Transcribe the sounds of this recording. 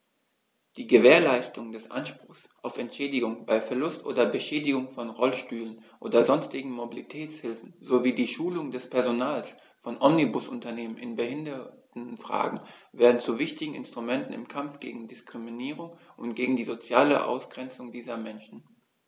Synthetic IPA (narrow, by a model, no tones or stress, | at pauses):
d̥iːɡəveːɐlaɪstʊŋdɛsʔa̰nʃpʁ̥ʊxsʔaʊfɛntʃɛːdɪɡʊŋb̥aɪfɛɐlʊstʔo̰ːdɐbəʃɛːdɪɡʊŋfɔnʁɔlʃtyːlənʔoːdɐzɔnstɪɡŋ̩mobilitʰɛːt͡shɪlfn̩zoviːdiːʃuːlʊŋdɛspʰɛɐzonaːls | fɔnʔɔmnibʊsʊntɐneːmənɪnbəhɪndɐtn̩fʁ̥a̰ːɡŋ̩vɛːɐdn̩t͡suvɪçtɪɡŋ̩ɪ̰nstʁ̥umɛntn̩ɪ̰mkʰamfɡ̥ḛːɡŋ̩dɪskʁ̥iminiːʁ̞ʊŋʔʊntɡ̥eːɡŋ̩diːzot͡sjaːlə̰ʔa̰ʊsɡ̥ʁɛnt͡sʊŋdiːzɐmɛnʃn̩